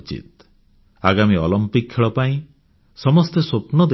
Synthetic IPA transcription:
t͡ʃḭt̪̚ | aɡamiɔlɔmpik̚kʰːeɭɔpaĩ | sɔmɔst̪esopnɔd̪

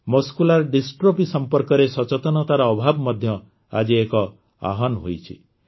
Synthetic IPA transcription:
mɔskulaɾɖisʈɾopisɔmpɔɾkɔɾesɔt͡ʃɔt̪ɔnɔt̪aɾɔːbʱabmɔd̪ʱjɔ | a̰d͡ʒiekɔ | a̰ɦɔnɦojt͡ʃʰḭ

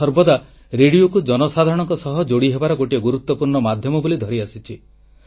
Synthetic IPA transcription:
ɔɾbɔd̪a | ɾeɽiokud͡ʒɔnɔsad̪ʱaɾɔɽ̃ɔŋkɔsɔɦɔd͡ʒoɽiɦebaɾɔɡoʈiɔɡuɾut̪ːɔpuɾɳɔmad̪ʱjɔmɔbolid̪ʱɔɾiasit͡ʃʰi

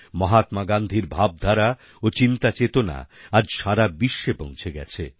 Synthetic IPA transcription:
mɔɦat̪maɡand̪ʱiɾbʱab̚d̪ʱaɾa | ot͡ɕint̪at͡ɕet̪ona̰ad͡ʑʃaɾabiʃːepõŋ̃t͡ɕʰeɡɛ̰t͡ɕʰe

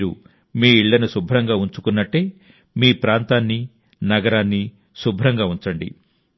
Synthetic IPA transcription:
ɾṵ | miːiɭːɐnusubʱɾɐŋɡaːuɲt͡ʃukunːɐʈːe̞ː | miːpɾaːnt̪aːnːi | nɐɡɐɾaːnːi | subʱɾɐŋɡaːuɲt͡ʃɐɳɖḭ

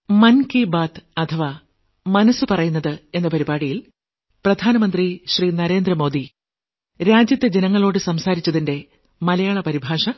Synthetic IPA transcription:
mɐnkibaːt̪ɐt̪ʰɐʋaː | mɐnɐsɨpɐrɐjunːɐðɨe̞nːɐpɐɾibaːɽijil | prɐd̪ʱaːnɐmɐnd̪riɕriːnɐɾe̞ːnd̪rɐmo̞ːd̪i | ɾaːd͡ʑjɐt̪ʲːjɐd͡ʑe̞nɐŋːɐɭo̞ːɽɨsɐmsaːɾit͡ɕːɐðinde̞ | mɐlɐjaːɭɐpɐɾibʱaːʂɐ

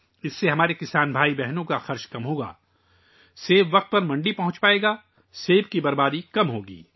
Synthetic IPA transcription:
ɪsːeɦɐmaːɾekɪsaːnbʱaːibɛɦnõkaxɐɾʃkɐmɦoːɡa̰ː | seːbʋɐq̚t̪̚pɐɾmɐ̃ɳɖipɐɦʊ̃t͡ʃpaːeːɡaː | seːbkibɐɾbaːd̪ikɐmɦoːɡḭː

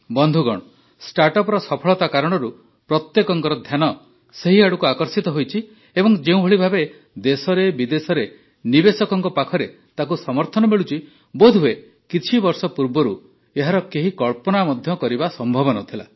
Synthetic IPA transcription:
bɔnd̪ʱuɡɔɽ̃ɔ | sʈaɾʈɔpɔɾɔsɔpʰɔɭɔt̪akaɾɔɽ̃ɔɾu | pɾɔt̪jekɔŋkɔɾɔd̪ʱjanɔ | seɦiaɽukuakɔɾsit̪ɔɦojt͡ʃʰi | ebɔŋd͡ʒeũbʱeɭibʱabe | d̪esɔɾebid̪esɔɾe | nibesɔkɔŋkɔpakʰɔɾe | t̪ak̬usɔmɔɾt̪ʰɔnɔmeɭut͡ʃʰi | bod̪ʱue | kit͡ʃʰibɔɾsɔpuɾbɔɾu | eɦaɾɔkeɦikɔɭpɔnamɔd̪ʱjɔkɔɾibasɔmbʱɔbɔnɔt̪ʰila̰

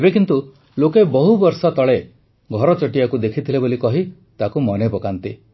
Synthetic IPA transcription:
ebekint̪u | lokebɔɦubɔɾsɔt̪ɔɭe | ɡʱɔɾɔt͡ʃɔʈijakud̪ekʰit̪ʰilebolikɔɦi | t̪akumɔnepɔkant̪i

